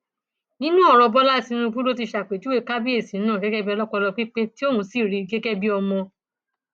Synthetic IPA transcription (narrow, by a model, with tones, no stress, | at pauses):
nĩ˦nũ˦ɔ˦˧ɾɔ˧bɔ˦la˦˨tĩ˨˧˦ũ˦˧bu˦lo˦t̬i˧ʃa˨k͡pe˨d͡ʒu˦e˦˨ka˦bi˦e˦˨sĩ˨˦nãː˦˨ɡɛ˦ɡɛ˦bi˦˧ɔ˧lɔ˦k͡pɔ˧lɔ˧k͡pi˦k͡pe˦ti˦o˦hũ˧si˦˨ɾi˨˧˨ɡɛ˦ɡɛ˦bi˦ɔ˧mɔ̃˧